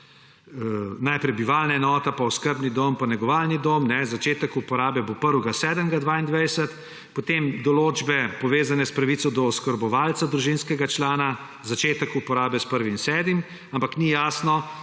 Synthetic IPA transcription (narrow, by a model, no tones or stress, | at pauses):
najpɾɛjbiʋaːlnaɛnɔːt̪apaɔskəɾbnid̪ompanɛɡɔʋaːlnid̪oːmnɛzat͡ʃeːt̪əkupɔɾaːbɛbopəɾʋɡasɛːd̪əmɡad̪ʋaind̪ʋɛjsɛt̪ | pɔt̪eːmd̪ɔloːd͡ʒbɛpɔʋeːzanɛspɾaʋit̪sɔd̪ɔɔskəɾbɔʋaːlt̪sad̪ɾuʒinskɛɡat͡ʃlaːna | zat͡ʃeːt̪əkupɔɾaːbɛspəɾʋinsɛːd̪mim | ampaknijaːsnɔ